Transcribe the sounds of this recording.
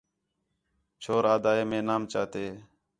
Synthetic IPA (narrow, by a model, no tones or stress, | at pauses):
t͡ʃʰoːɾaːd̪aːeːmẽːnaːmt͡ʃaːt̪eː